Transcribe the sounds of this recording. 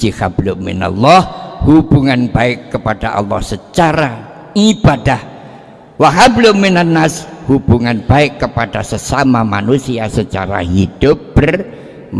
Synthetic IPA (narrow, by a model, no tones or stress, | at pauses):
d͡ʒihablʊmɪ̰na̰lːɔhhubuŋanbaɪkːəpadaʔa̰lːɔhsət͡ʃaɾa | ibadah | waɦablʊmɪnənːashub̥uŋanb̥aɪkːəpad̥asəsamamanusiasət͡ʃa̰ɾa̰ɦid̥ʊp̚b̥ər